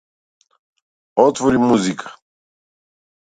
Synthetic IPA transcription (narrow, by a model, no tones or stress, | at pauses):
ɔt̪vɔɾimmːuzikʰḁ